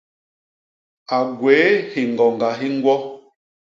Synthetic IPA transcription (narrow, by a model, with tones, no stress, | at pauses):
a˨ɡwe˨˦he˨ŋ˨ɡɔ˨ŋɡa˨ɦi˦ŋ˦ɡwɔ˦